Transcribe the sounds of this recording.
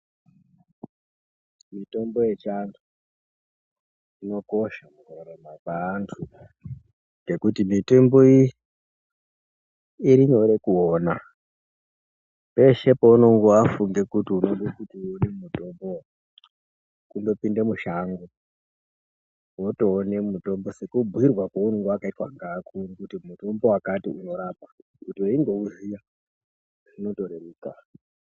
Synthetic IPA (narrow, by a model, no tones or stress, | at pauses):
mito̞mbo̞jet͡ʃantʰu | ino̞ko̞ʃamukoɾemakaːntʰu | ɡe̞kutimitemboi | iɾiɲoɾe̞kuona | pe̞ʃe̞pouno̞ŋɡoafuŋɡe̞kutiunoŋɡekutionemumuto̞mbo | kundo̞pindemuʃaŋɡo | woto̞ːnemumuto̞mbosekubʱwirwakaunoŋɡuakaitwaŋɡaːkʰuɾikutimuto̞mbo̞wakatḭuno̞ɾaːp̚a | kutieiŋɡo̞uzija | rino̞to̞ɾeɾeːka